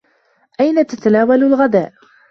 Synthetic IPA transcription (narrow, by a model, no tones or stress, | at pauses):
ʔajnat̪at̪anaːwalʊlɣad̪a̰ːʔ